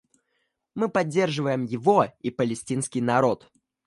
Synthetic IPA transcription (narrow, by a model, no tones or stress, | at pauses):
mɨpɐdʲːe̞rʐɨvəjɪmjɪvo̞ipəlʲɪsʲtʲinskʲɪjnɐɾo̞t̪